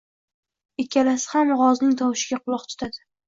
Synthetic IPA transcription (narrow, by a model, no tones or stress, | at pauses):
ɪkʲʰːalasɪ̥hamʁɒznɪŋt̪ʰɒwɪʃɪɡʲaqʰʊlˠɒqt̪ʰʊ̥t̪ʰad̪ɪ̥